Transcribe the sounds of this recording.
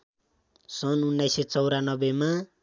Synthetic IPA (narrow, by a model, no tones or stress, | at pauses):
sʌnunːajset͡sʌwɾanʌbema